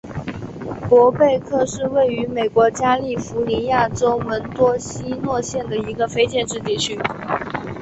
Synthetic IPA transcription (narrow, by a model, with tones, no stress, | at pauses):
kwɔ˧˥pe˥˧ɪkʰɤ˥˧ʂɻ̩˥˧we˥˩ɪy˧˥me˨˩ɪkwɔ˧˥t͡ɕja˥li˥˩fu˧˥ni˧˥ja˥˩ʈ͡ʂo˥ʊmə˧˥nt̪wɔ˥ɕi˥nwɔ˥˧ɕjɛ˥˩nd̪ə˩i˧˥ɡə˧fe˥ɪt͡ɕjɛ˥˧nʈ͡ʂɻ̩˥˧t̪̬i˥˩t͡ɕʰy˥